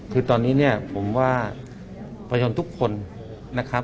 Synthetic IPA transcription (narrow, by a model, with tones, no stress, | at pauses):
kʰɯː˧t̪ɔː˧nːiː˦˥ni˥˩ɐpʰo˩˦mwaː˧˩ | pʰa˧joː˧nt̪ʰu˦˥kʰːo˧n | na˦˥kʰa˦˥